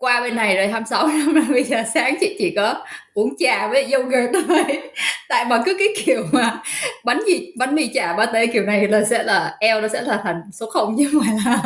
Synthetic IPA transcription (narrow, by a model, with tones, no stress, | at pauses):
kwaː˧ɓe˧nːa˨˩jzoː˨˩jɦə˧msa˨˦wna˨˧˦mna˨˧˩ɓə˧jzəː˨˩saː˨˦ŋt͡ɕḭ˧˨t͡ɕḭ˧˩kɔ˨˦ʔu˨˧˦əŋt͡ɕaː˨˩vəː˨˦˨zə˧wɣə˨˩t̪o˧˦˧jt̪a̰ː˧˨jmaː˨˩kɨ˨˦kaː˨˦jki˧˩əwmaː˨˩ɓa˨˦nzi˧˨˩ɓa˨˦nmi˧t͡ɕaː˨˩ɓaː˧˦t̪əː˨˦ki˨˩əwna˨˩jlaː˨˩sɛ̰˧˥laː˨˩ʔɛ˧wnɔ˨˦sɛ̰˧˥laː˨˩t̪ʰa˨˩jŋ̟so˨˦˥t̚xə˧wŋ͡mɲɨ˧˦va˨˩jlaː˨˩